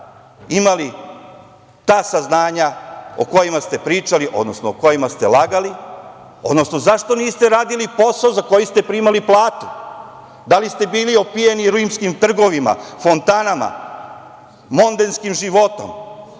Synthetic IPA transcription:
imali | t̪aːsaznaːɲao̰ko̞jimast̪e̞pɾiːt͡ʃaliʔo̞d̪no̞snooko̞jimast̪elˠaɡali | od̪no̞sno̞zaʃt̪o̞niːst̪e̞ɾaːd̪ilipo̞saozako̞jist̪e̞pɾimaliplˠaːt̪u̥ | d̪alist̪e̞biːlio̞pijeniɾuimskimt̪r̩ɡo̞ʋima̰fo̞nt̪anama̰ | o̞nd̪enskimʒiʋo̞t̪o̞̰m

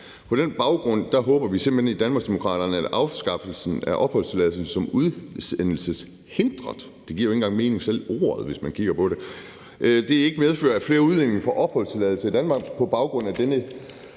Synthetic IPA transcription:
pʰɒ̽ɾ̥enb̥ɑ̈ʊɡ̥ʁɔ̽n̰d̥æɦɔːb̥ɐʋise̝mb̥̩henid̥ænmɑ̈ɡsd̥e̝mo̝kʰʁɑ̰̈ːd̥ɐnəæd̥ɑ̈ʊsɡ̥ɑ̈fl̩sn̩æɐʔɒ̽b̥hɒ̽l̰st͡sʰe̝læːl̩ˠs̩sɒ̽muðˠsenl̩səs | he̝nd̥ʁɐðˠ | d̥e̝ɡ̥ḭɐoe̝n̩ɡ̥ɑ̈ŋme̝ːne̝ŋsel̰o̝̰ːɐð̞ˠʋe̝smænkʰiɡ̥ɐpʰɒ̽ɾe̝ | ʔd̥e̝e̝ɡ̥əmeð̞ˠfø̰ɐæfle̝ːɐuðˠlen̰e̝ŋfɒ̽ʔɒ̽b̥hɒ̽l̰st͡sʰe̝lɛðˠl̩səid̥ænmɑ̈ːɡ̥pʰɒ̽b̥ɑ̈ʊɡ̥ʁɔ̽n̰æd̥enə

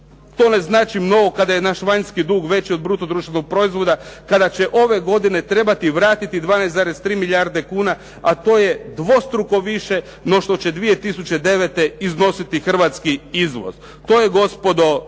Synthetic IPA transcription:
t̪o̞ːne̞znaːt͡ʃimno̞ɡo̞kad̪aje̞naːʃʋaɲskid̪uːɡʋe̞t͡ɕiod̪̚bɾuːt̪o̞d̪ɾuːʃt̪ʋenoɡ̚pɾo̞izʋo̞d̪akad̪at͡ɕe̞ʔo̞ʋe̞ɡo̞d̪ine̞t̪ɾe̞bat̪iʋɾaːt̪it̪id̪ʋaːnajsaːɾezt̪ɾiːmiʎʲaɾd̪e̞kuːna | at̪o̞ːje̞d̪ʋo̞st̪ɾuko̞ʋiʃe̞ | no̞ʃt̪o̞t͡ɕed̪ʋije̞t̪isut͡ɕed̪e̞ʋet̪e̞izno̞sit̪ixr̩ʋat̪skiizʋo̰z̥ | t̪o̞ːjeɡo̞spo̞d̪o̞

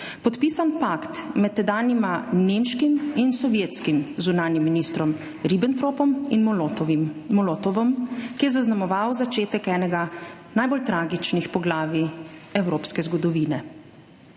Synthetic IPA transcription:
pɔt̪piːsanpakt̪mɛt̪t̪ːɛd̪aːnimaneːmʃkiminsɔʋjeːt̪skimzunaːnjimːinist̪ɾɔm | ɾibɛnt̪ɾoːpɔmin | mɔlɔt̪ɔʋɔmkijɛzaznamɔʋawzat͡ʃeːt̪ɛkɛːnɛɡa | naːjbolt̪ɾaːɡit͡ʃnixpɔɡlaːʋiɛwɾoːpskɛzɡɔd̪ɔʋiːnɛ

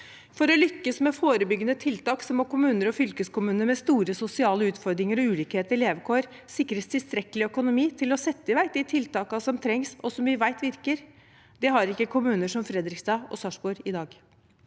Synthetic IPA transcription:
fɔɾɔlʏkːəsmɛfoːɾəbʏɡːənət̪ʰɪlt̪ɑːksɔmɔkʊmʉːnəɾɔfʏlkəskʊmʉːnəɾmɛst̪uːɾəsʊsɪɑːləʉːt̪fɔɾd̪ɾɪŋəɾɔʉːliːkheːt̪əɾleːʋəkʰoːɾ | sɪkːɾəst̪ʰɪlst̪ɾɛkːəlɪœkʊnʊmiːt̪ʰɪlɔsɛt̪ːəɪʋæɪt̪d̪æɪt̪ʰɪlt̪ɑːkɑsɔmt̪ʰɾɛŋsɔsɔmʋɪʋæɪt̪ʋɪɾkəɾ | d̪̥ɛɦɑɾɪkːəkʰʊmʉːnəʂɔmfɾɛd̪ɾɪkst̪ɑːɔ̰sɑʂbuːɾɪd̪ɑːɡ

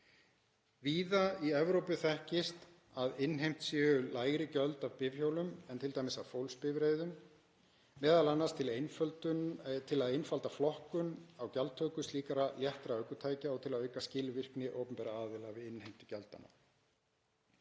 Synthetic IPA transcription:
viːðaiɛvɾowpʏθɛhcɪst̪ | aðɪnɦejm̥t̪sjɛːɣʏlaːjɣɾɪcœlt̪avpɪvçjowlʏmɛnt̪ʰɪlt̪aːjmɪsavfowlspɪvɾeːjðʏmː | ɛːðalanːast̪ʰɪlejnfœlt̪ʏt̪ʰɪlaðejnfalt̪aflɔhkʏnawcalt̪ʰːœːkʏst̪liːkaɾaljɛht̪ɾaœɥkʏt̪ʰaːjcaɔɣt̪ʰɪlaðœɥkascɪːlʏvɪr̥knɪʔo̰ːwpʏnmpɛːɾaaːðɪlavɪɪnhejm̥t̪ɪ̥cɛlt̪a̰nːa̰

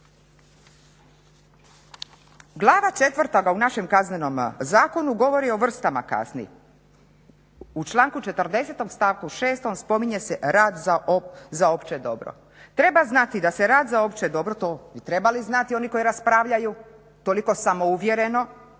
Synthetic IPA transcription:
ɡlˠaːʋat͡ʃe̞t̪ʋr̩t̪oɡaunaʃe̞mkazneno̞mzaːko̞nuɡo̞ʋo̞ɾio̞ʋr̩st̪ama̰ka̰snḭ | ut͡ʃlˠaːŋkut͡ʃe̞t̪ərd̪e̞set̪o̞mst̪aːʋkuʃe̞ːst̪o̞mspo̞miɲe̞seɾaːd̪zaozao̞pt͡ʃed̪o̞bɾo̰ | t̪ɾe̞baznat̪id̪ase̞ɾaːd̪zao̞pt͡ʃed̪o̞bɾot̪oːbit̪ɾe̞baliznat̪io̞niko̞iɾaspɾaːʋʎaju | t̪oliko̞samo̞uʋjeɾe̞no̞

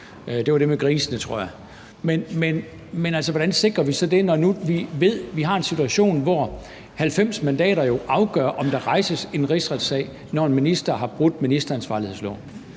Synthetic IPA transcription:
d̥e̝ʋɑd̥e̝meɡ̥ʁiːsənət͡sʰʁo̝ɐ̰jɑ̈ | menmen | menælsɒʋɒd̥ænse̝ɡ̥ʁɐʋisɒ̽d̥e̝nɒnuʋiʋe̝ð̞̰ˠʋiɦɑ̈e̝nsit͡sʰuæɕo̝̰ːnʋɒ | hælfem̰smænd̥ɛ̰ːɾɐjo̝ʔɑ̈ʊɡ̥œ̰ːɐʔɒ̽md̥ɑ̈ʁɑ̈ɪsəse̝nʁisʁad̥sɛ̰ɪ | nɒe̝nminisd̥ɐɦɑ̈b̥ʁud̥̩ˠminisd̥ɐænsʋɑ̈lihe̝̰slɔ̰ʊ̰n

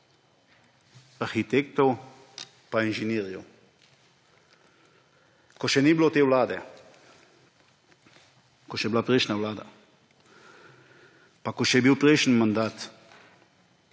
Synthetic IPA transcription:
aɾxit̪eːkt̪ɔw | painʒɛniːɾjɛ̰w | kɔʃɛniblot̪eːwlaːd̪ɛ̰ | kɔʃɛblapɾɛjʃnawlaːd̪a̰ | pakɔʃɛbiwpɾɛjʃn̩mand̪aːt̪

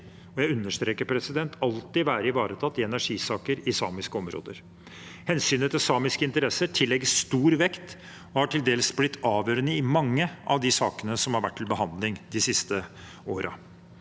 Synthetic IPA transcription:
ɔjæɪʉnːəʂt̪ɾeːkəɾpʰɾɛsɪd̪ɛnt̪ʰɑlt̪ɪʋæːɾəɪʋɑːɾət̪ʰɑt̪ːɪɛnæʂiːsɑːkəɾɪsɑ̰ːmɪskəɔmɾo̰ːd̪ə̰ɾ | hɛnsyːnət̪ʰɪlsɑːmɪskəɪnt̪əɾɛsəʈʰɪlːɛɡəsst̪uːɾʋɛkt̪ | ɔhɑʈʰɪld̪eːləsblɪt̪ʰːɑːʋjøːɾənəɪmɑŋːəʔɑ̰ʋd̪ɪsɑːkənəsɔmhɑɾʋæʈʰːɪlbəhɑnd̪lɪŋd̪ɪsɪst̪ə | oːɾʔə̰

